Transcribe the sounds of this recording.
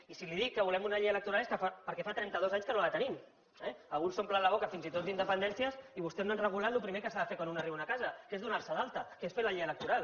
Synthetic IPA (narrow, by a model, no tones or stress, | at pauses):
isiliðikːəβulɛmunaʎejələkt̪uɾaleskəfapəɾkɛfat̪ɾɛnt̪əðozaɲskənolət̪ənim | ɛalɣunsomplalaβokəfinzit̪ot̪̚ind̪əpənd̪ɛnsiəsiβust̪ɛznoanrəɣ̞ulat̪lupɾimekəsaðəfekwanunariβunakazɐkezðunaɾsəðalˠt̪əkesfeləʎejələk̚t̪uɾalˠ